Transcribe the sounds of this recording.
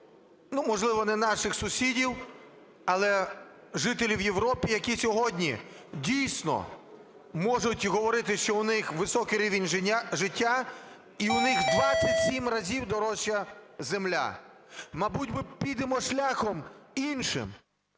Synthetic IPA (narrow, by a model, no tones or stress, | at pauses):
numɔʒlˠɪʋɔnɛnɑʃɪxsʊsʲidʲiw | ɐlˠɛ | ʒɪt̪elʲiwjewɾɔpʲijɐkʲisʲɔɦɔdʲnʲi | dʲijsʲnɔ̰ | mɔʒʊtʲɦɔʋɔɾɪt̪ɪʃt͡ʃɔʊnɪxʋɪsɔkɪɾʲiʋʲɪnʲʒɪtʲːa | iʊnɪxd̪ʋat͡ssʲɐtʲsʲimrɐzʲiwd̪ɔɾɔʃt͡ʃːɐzemlʲa̰ | mɐbud̚ʲbɪpʲid̪emɔʃlʲaxɔminʃɪ̰m